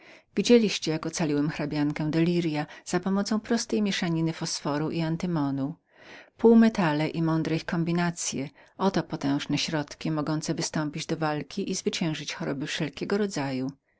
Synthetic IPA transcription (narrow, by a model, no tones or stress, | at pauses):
vʲid͡ʑelʲiɕt͡ɕɛjakɔt̪salʲiwɛmxɾabʲjaŋkɛw̃d̪ɛlʲiɾjaz̥apɔmɔt̪sɔ̃w̃pɾɔst̪ɛjmʲjɛʂaɲinɘfɔsfɔɾuʔiant̪ɘmɔnu | puwmɛt̪alɛʔimɔnd̪ɾɛjkɔmbʲinat̪sʲjɛɔt̪ɔpɔt̪ɛ̃w̃ʐnɛɕɾɔt̪kʲimɔɡɔnt̪sɛvɘst̪ɔmpʲid͡ʑd̪ɔvalkʲiʔizvɘt͡ɕɛ̃w̃ʐɘt͡ɕxɔɾɔbɘfʂɛlkʲɛɡɔɾɔd̪zaju